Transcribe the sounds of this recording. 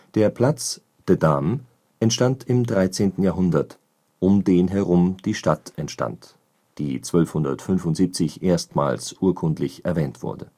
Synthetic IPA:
d̥eːɐpʰl̥at͡s | d̥ədam | ʔɛntʃtantɪmdʁaɪt͡seːntn̩jaːɦʊndɐt | ʔʊmdeːnɦɛʁʊmd̥iːʃta̰tʔɛntʃta̰nt | d̥iːt͡sv̥œlfhʊndɐ̰tfʏnfʊntz̥iːp̚t͡sɪçʔeːɐstma̰ːlsʔuːɐkʰʊntlɪçɛɐvɛːntv̥ʊ̰ɐdə

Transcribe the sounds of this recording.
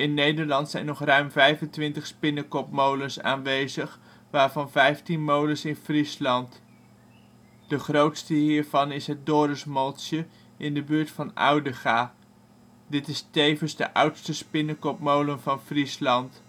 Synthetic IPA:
ɪnːejdəɹlɑntsɛjnɔχrœɥmvɛjvəntʋɪntəχspɪnəkɔpmowlənsa̰ːnʋejzəχ | ʋaːɹvɑnvɛjftinmowlənsɪnfrislɑnt | d̥əχrowtstəɦiːɹv̥ɑnɪsɦət̚dʊːɾəsmɔlˠtə | ʔɪndəbyːɹtfɑna̰wdəχaː | dɪtɪstejvənzdə̰ʔʌwtstəspɪnəkɔpmowlənvɑnfrislɑnt

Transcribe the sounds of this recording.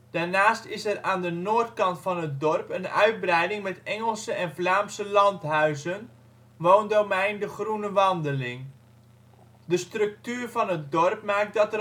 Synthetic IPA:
d̥aːrnaːstɪsɛraːndənoːrtkɑntfɑnət̚dɔrpənœ̰ɥt̚brɛjdɪŋmɛtɛŋəlˠsəʔɛnflaːmsəlɑntɦœɥzən | ʋoːndowmɛjndəχrunəʋɑndəlɪŋ | dəstrɵk̚tyːrvɑnət̚dɔrpmaːk̚dɑtə

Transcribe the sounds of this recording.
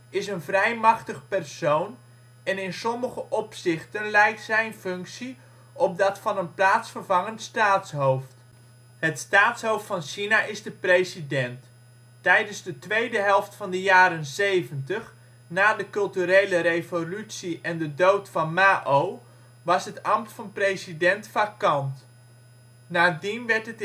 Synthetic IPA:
ɪsənvrɛjmɑχtəχəpɛrsown | ɛnɪnsɔməχəʔɔpsɪχtənlɛjk̚tsɛjnfɵŋksi | ʔɔp̚dɑtfɑnənplaːtsfərvɑŋəntstaːtsɦowft | ɦətstaːtsɦowftfɑnʃinaʔɪzdəprejzidɛnt | tɛjdənzdətʋejdəɦɛlˠftfɑndəjaːɾənsejvəntəχ | naːdəkɵlˠtyɾejləɾejvolytsiʔɛndədowtfɑnmaːʔow | ʋɑsɦətɑmtfɑnprejzidɛntfakɑnt | naːdinʋɛɹtət

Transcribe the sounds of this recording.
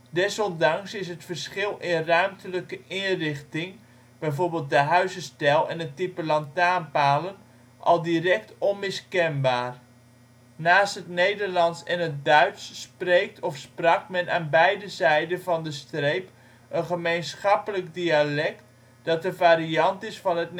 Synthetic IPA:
dɛsɔndɑŋsɪsɦətfərsχɪlˠɪnrœɥmtʰələkəʔɪnrɪχtɪŋ | b̥ɛjvoːɹbeːlˠt̚dəɦœɥzəstɛlˠɛ̰nətipəlɑntaːnpaːlən | ʔɑ̰lˠdirɛk̚tɔnmɪskɛnbaːr | naːstɦətnejdərlɑnsɛnɦət̚dœɥtsːprejk̚tʰɔfsprɑkmɛnʔa̰ːnbɛjdəzɛjdənvɑndəstrejp | ʔənχəmejnsχɑpələɡdialɛkt | d̥ɑt̚dəvaːɾiɑntɪsfɑnɦətn

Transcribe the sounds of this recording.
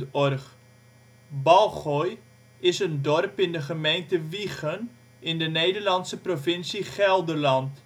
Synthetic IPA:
ɔrχ | bɑlˠχɔj | ɪsəndɔrpɪndəχəmejntəviχən | ɪndənejdərlɑntsəprofɪnsiχɛlˠdərlɑnt

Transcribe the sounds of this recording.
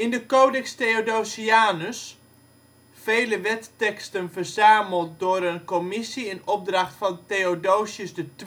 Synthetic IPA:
ɪndəkoːdɛksteodowsiaːnəs | fejləʋɛtːɛkstənvərzaːməlˠt̚dʊːɾənkɔmɪsiənɔb̚drɑχtfɑnteodowsjəsdət

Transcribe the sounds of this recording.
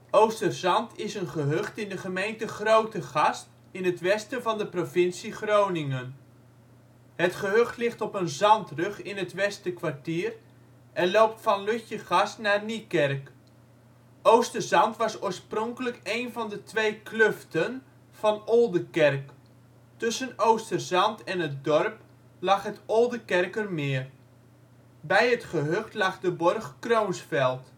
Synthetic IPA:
owstərzɑntɪsənχəɦøχtɪndəχəmejntəχrowtəχɑst | ɪnɦətʋɛstəvɑndəprovɪnsiχrownɪŋən | ɦətχəɦøχtlɪχtɔpənzɑntrɵχɪnɦətʋɛstəkʋartiːər | ʔɛnlowp̚tfɑnløçəχɑstnaːnikɛrk | ʔowstərzɑntʋɑsoːrsprɔŋkələkejnvɑndətʰʋeːkløftən | v̥ɑnolˠdəkɛrk | tɵsənowstərzɑntɛnət̚dɔrp | lɑχhətʰolˠdəkɛrkərmɪər | bɛjətχəɦøχtlaχdəbɔrχkrownsfɛlˠt

